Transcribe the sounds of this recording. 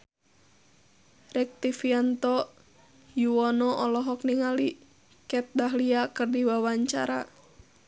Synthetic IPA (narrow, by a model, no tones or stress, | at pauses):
rɛk̚t̪ifiant̪ɔ | juɔnɔʔɔlɔɦɔkniŋali | kɛt̪̚daɦliakərdiwawaɲt͡ʃa̰ɾa̰